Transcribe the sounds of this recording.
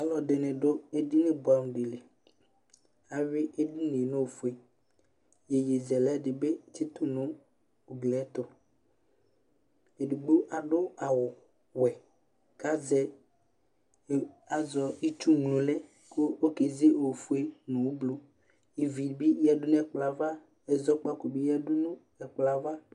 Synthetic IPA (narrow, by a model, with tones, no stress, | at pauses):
a˨lɔ˨de˨nɛ̃˨ɖo˦e˦di˦nẽ˦bo˨a˨˦nũ˨ɖe˨le˨ | a˨we˦ʔe˦di˦nẽ˨nẽ˦wo˨fu˦e˦ | je˨je˨zɛ˨lɛ˦ɖɪ˨be˦ti˦t̪o˦nõ˦ | o˨ɡ͡blɛ˨˦t̪o˦ | e˨du˨ɡ͡bo˦ʔa˨ɖʊ˦a˨wʊ˨ | wɛ˨ | ka˦zɛ˦˨ | a˨zɔ˦i˦t͡ʃu˦ŋlũ˨lɛ˦ | ko˦o˦ke˨ze˦o˨fu˦e˦nũ˨wo˦blo˦ | ji˨vi˨bi˦ja˨dʊ˦n˦ɛ˦˨k͡pla˨va˦ | e˨zɔ˦k͡pa˦ko˨bi˦ja˦ɖʊ˦nũ˦ | ɛ˨k͡pla˨va˦